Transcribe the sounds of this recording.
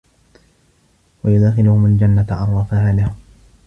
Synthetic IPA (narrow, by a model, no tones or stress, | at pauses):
wajʊd̪axɪlʊhʊmald͡ʒanːat̪ʕɑrˤːɑfahaːlahʊ